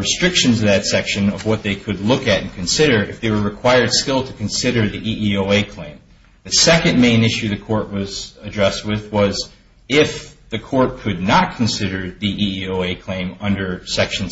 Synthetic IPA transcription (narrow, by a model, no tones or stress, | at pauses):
ɹɨstɹ̥ɪkʃɨ̃nzʌvðɨtsɛkʃɨ̃nʌvwʌt̪̚ðeɪkʰɨdˡlʊkɨɾɨ̃n̩kʰɨ̃n̩sɪɾə˞ʔɨ̰fðeɪwə˞ɹɨkʰw̥aɪə˞d̥skɪlˠtʰɨkʰɨ̃nsɪɾə˞ðiʔiʔioʊeɪkʰl̥ḛ̃ɪ̃m | ðɨsɛkɨ̃nmẽɪ̃nɪʃʉðɨkʰɔɹʔ̚wʌzɨdɹɛst̚wɪðwʌz | ɪfðɨkʰɔɹt̚kʰɨdⁿnət̚kʰn̩sɪɾə˞ðiʔiioʊeɪkʰl̥ẽɪ̃mʌ̃ndə˞sɛkʃn̩